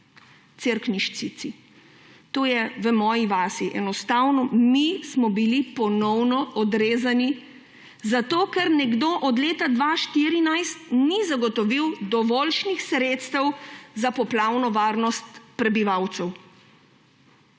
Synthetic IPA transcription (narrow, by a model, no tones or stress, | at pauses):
t̪eɾkniʃsit̪si | t̪oːjɛʋəmɔːjiʋaːsiʔɛnɔst̪aːwnɔmismɔbilipɔnɔwnɔɔd̪ɾeːzani | zat̪oːkɛɾnɛɡd̪oʔɔd̪leːt̪ad̪ʋaʃt̪iɾinajst̪nizaɡɔt̪ɔʋiwd̪ɔʋɔːlʃnixsɾeːt̪st̪ɛwzapɔplaːwnɔʋaːɾnɔst̪pɾɛbiʋawt̪sɛw